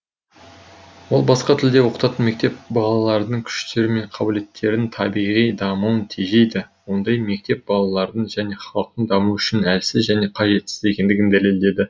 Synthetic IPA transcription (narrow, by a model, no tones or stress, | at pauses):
wo̞lˠbɑsqɑt̪ʰɪld̪e̞wo̞qə̥t̪ɑt̪ənme̞k̚t̪e̞p̚bɑlˠɑlˠɑɾd̪əɴkʲʰʏ̥ʃt̪e̞ɾɪme̞ɴqʰɑbɪle̞t̪ʰːe̞ɾɪnt̪ʰɑbijʁijd̪ɑmuənt̪ʰiʒe̞jd̪ɪwo̞nd̪ɑjme̞k̚t̪e̞p̚bɑlˠɑlˠɑɾd̪əɴʒæne̞χɑlˠəq̚t̪əɴd̪ɑmuʏʃɪnælsɪzʒæne̞qʰɑʒe̞t̪sɪ̥zekʲe̞nd̪ɪɡʲɪnd̪æle̞ld̪e̞d̪ɪ